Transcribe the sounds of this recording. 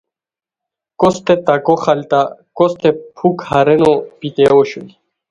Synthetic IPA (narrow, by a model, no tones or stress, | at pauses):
kɔst̪ɛt̪akɔxalt̪akɔst̪ɛpʰukhaɾɛnopit̪ɛɔɕuj